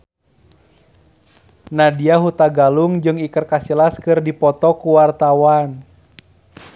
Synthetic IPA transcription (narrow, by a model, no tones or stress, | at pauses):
nadiaɦut̪aɡaluŋd͡ʒɨŋikərkasilaskɨrdipɔt̪ɔkuwart̪awan